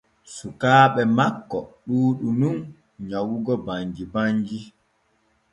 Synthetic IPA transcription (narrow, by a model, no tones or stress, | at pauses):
sukaːɓɛmakːɔɗuːɗunun | ɲawuɡɔbaɲd͡ʒibaɲd͡ʒi